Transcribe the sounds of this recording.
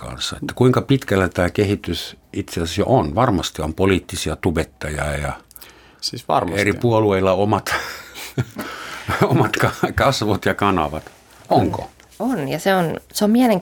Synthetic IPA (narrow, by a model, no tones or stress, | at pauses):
kɑ̰nsːɑḛt̪ːæ̥kuiŋkɑpit̪kælːæt̪æːkehit̪ysit̪seɑsæsjo̰ʔonʋɑrmɑst̪iompoliːt̪ːisiɑt̪ubet̪ːɑjɑ̰ːjɑ | sisʋɑ̰rmerippuolueilːɑomɑt̪ | omɑt̪kɑkɑsʋot̪jɑkɑnɑ̰ʋɑt̪ | oŋko̰ | onjɑseonseommiæleŋ